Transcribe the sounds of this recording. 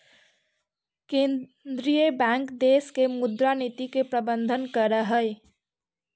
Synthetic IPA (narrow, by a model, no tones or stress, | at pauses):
ke | d̪ɾijəbaŋkd̪eskemud̪ɾanit̪ikepɾəbənd̪ʱənkəɾəɦəj